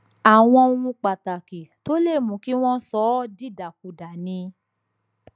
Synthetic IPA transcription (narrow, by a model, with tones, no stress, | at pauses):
a˨w̃ɔ̃˧o˧ũ˧k͡pa˨ta˨ki˨to˦le˦˨mũ˨˦ki˦w̃ɔ̃˦sɔ˨˦di˦˨da˨ku˨da˨nĩ˧